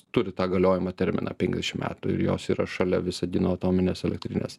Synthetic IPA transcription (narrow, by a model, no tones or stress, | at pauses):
t̪ʊɾʲɪt̪ɑːɡɐlʲoːjɪmɐt̪ʲɛɾʲmʲɪ̰nɑ̰ːpʲɛŋʲɡʲzd̪ʲɛʃʲɪmmʲʔæ̰ːt̪ʊɪ̰ɾjo̰ːsiːɾɐʃɐlʲɛʋʲɪsɐd̪ʲiːnoːɐt̪oːmʲɪnʲeːsɛlʲɛk̚t̪ʲɾʲɪnʲḛːs